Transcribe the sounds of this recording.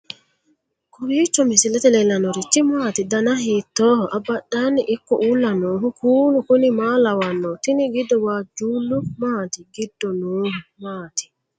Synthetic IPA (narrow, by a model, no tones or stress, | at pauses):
kʊɾiːt͡ʃːɔmɪsɪlɛt̪ɛlɛlɐnɔɾɪt͡ʃːɪmaːt̪ɪd̪ɐnɐhiːt̪ːoːhɔʔɐbːɐɗːaːnːɪʔɪkːɔʔuːlːɐnɔːɦʊkʰuːlʊkʊnɪmaːlɐwɐnːɔt̪ɪnɪɡɪd̪ːɔwaːd͡ʒuːlːʊmaːt̪ɪɡɪd̪ːɔnuːhʊmaːt̪ɪ̥